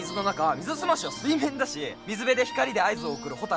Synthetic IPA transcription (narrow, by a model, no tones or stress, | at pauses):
zɨno̞nakamʲizɨsɨmaɕiβasɨimẽ̞nd̪aɕimʲizɨbe̞d̪e̞çi̥kaɾʲid̪e̞aizɨo̞ːkɯ̟ɾɯ̟ho̞t̪a